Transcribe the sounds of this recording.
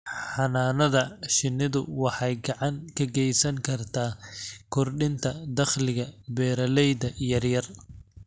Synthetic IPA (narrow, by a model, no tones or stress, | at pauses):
ħɑnaːnɐðɐʃɪnːɪðʊwɑħɑjɡɑʕɑŋkʰɐɡɛjsɐŋkʰɐrt̪ʰaːkʰɔrɖɪnt̪ʰɐd̪ɐχlɪɣɐbɛːɾɐlɛjd̪ɐjɐrjɐr